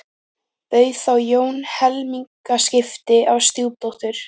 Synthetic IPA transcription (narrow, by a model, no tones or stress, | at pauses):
pœɥθawjoːwnhɛlmiŋkascɪft̪ɪʔawst̪juːwt̪owht̪ʏɾ̥